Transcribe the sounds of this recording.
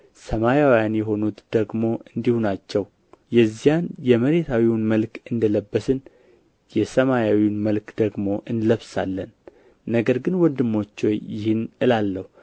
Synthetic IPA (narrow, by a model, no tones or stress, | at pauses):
səmajawjanjɛɦo̞nut̪d̪̥əɡmo̞ʔɨnd̪ihunat͡ʃːɛw | jɛzːijanjɛməɾe̞t̪ʰawiwnməlkɨnd̪ələbːəsɨn | jɛsəmajawiwnməlkd̪̥əɡmo̞ʔɨnləβsa̰lːənː | əɡəɾɡɨnwɔnd̪ɨmːo̞t͡ʃːojjɪhɨnɨlalːəhu